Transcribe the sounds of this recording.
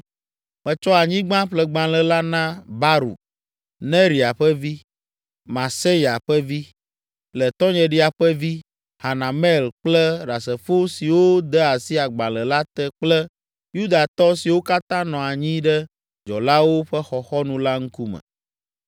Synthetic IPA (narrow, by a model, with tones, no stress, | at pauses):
mɛ̃˨t͡ʃɔ˦a˨ɲĩ˦ɡ͡bã˦ɸlɛ˨ɡ͡bã˨lɛ˨la˦nã˦ba˦ɾṵ˨ | nɛ̃˦ɾi˨a˨ɸɛ˦vi˦ | mã˨se˦ja˨ɸɛ˦vi˦ | lɛ˨t̪ɔ̃˦ɲɛ̃˨ɖi˦a˨ɸɛ˦vi˦ | ha˨nã˨mɛ˦˨lk͡plɛ˦ɖa˨sɛ˨fo˦si˨wo˦d̪ɛ˦a˨si˦a˨ɡ͡bã˨lə˨la˦t̪ɛ˦k͡plɛ˦ | ju˦d̪a˨t̪ɔ˦si˨wo˦ka˦t̪ã˦nɔ̃˨a˨ɲĩ˦ɖɛ˦ | d͡ʒɔ̰˨la˦wo˦ɸɛ˦xɔ˨xɔ˦nũ˨la˦ŋ̩˦ku˦mɛ̰̃˨